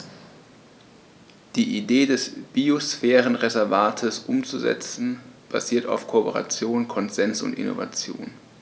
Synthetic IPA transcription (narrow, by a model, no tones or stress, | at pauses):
d̥iːʔideːdɛsb̥iosfɛːʁənʁezɛɐvaːtʰəsʔʊmt͡suzɛ̰t͡sn̩b̥a̰ziːɐta̰ʊfkʰopəʁa̰t͡sjoːnkʰɔnzɛnsʊ̰ntɪ̰no̰va̰t͡sjo̰ːn